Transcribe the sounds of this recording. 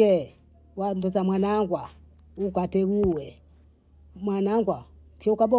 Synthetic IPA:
ɛ | wandɔzamwanaŋɡwa | ukatɛɡuwɛ | mwanaŋɡwa | kikabɔ

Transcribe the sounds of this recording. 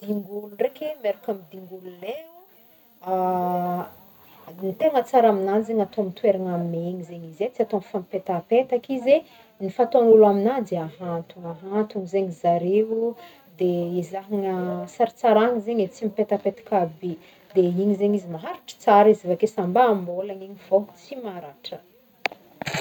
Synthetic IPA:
d̪̥iŋɡuluɳrekemeɾakamid̪iŋɡululeu | a | nit̪eŋət͡saɾaminanzeɲat̪omit̪weɾaŋamineeɲizeɲizet͡siat̪onfamipet̪apet̪akize | nifat̪oanulaminad͡zeaɦant̪uaɦant̪uŋizeɲizaɾeu | d̪eizaɦiŋəsaɾat͡saɾaŋizeɲet͡simipet̪apet̪ḁkabe | d̪eiɲizeɲizimaɦaɾiʈ͡ʂə̥t͡saɾizivakesambaːmbolaɲiɲiv̥ot͡simaɾaʈ͡ʂə

